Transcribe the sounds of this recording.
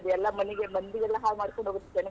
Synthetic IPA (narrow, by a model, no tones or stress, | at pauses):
d̪ɛlːɐmɐniɡemɐnd̪ijɛlːɐɦaːlmaːɽikɔɳɖʱoːɡut̪ːɐ̥t͡ʃːɐnɐ